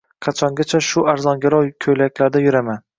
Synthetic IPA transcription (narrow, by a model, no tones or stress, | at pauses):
qʰɑt͡ʃʰɒŋɡʲat͡ʃʰaʃʊʔaɾzɒŋɡʲaɾɒjkʲʰɵjlakʲlaɾd̪ajʊɾaman